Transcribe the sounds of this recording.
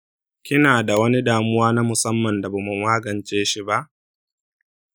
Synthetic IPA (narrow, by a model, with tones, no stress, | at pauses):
kʲɪ˦naː˨da˨wɐ˦ni˦daː˨mʊ˦waː˦na˦mʊ˨sɐ˦mːɐ˨nda˨ba˨mu˨maː˦ɡɐ˨nt͡ʃeː˦ʃi˦ba˦ʔ